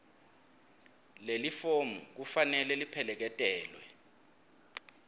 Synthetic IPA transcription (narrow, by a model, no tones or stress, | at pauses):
lelifomṵk̬ufanɛlɛlipʰɛlɛk̬ɛtʼɛːlwɛ